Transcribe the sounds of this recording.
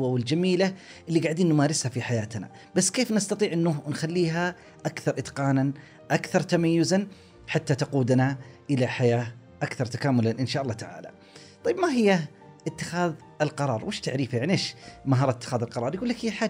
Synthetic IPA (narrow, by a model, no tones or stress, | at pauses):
wawɪld͡ʒamiːlaʔɪlːiɡaʕd̪iːnːʊmaːɾɪshafiħajaːt̪na̰ | b̥asːkeːfnɪst̪ɑt̪ˤiːʕʔɪnːʊnxalːiːɦa | ʔakθɑɾˤʔɪt̪qɑːnan | ʔakθɑɾˤt̪amajːʊzan | ħat̪ːat̪aquːd̪naʔɪlaħajaː | ʔakθɑɾˤt̪akaːmʊlanʔɪnʃaːʔɑlˤːɑːt̪aʕa̰ːla̰ | t̪ˤɑjːbmaɦɪjːa | ʔɪt̪ːɪxaːð | ɪlqɑɾˤɑ̰ːɾˤwʔɪːʃt̪aʕɾiːfajaʕniʔeːʃmaɦɑːɾˤɪt̪ːɪ̥xaːðɪlqɑɾˤɑːɾˤjɡuːlːakhɪːħaː